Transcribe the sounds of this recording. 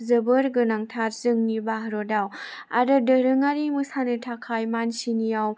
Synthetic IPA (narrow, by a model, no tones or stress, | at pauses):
zɯbɯɾɡɯnaŋtʰatzɯŋnibaɦɾodawa̰ɾɯdəɾɯŋaɾimɯsanɯtʰakʰajmansinijaw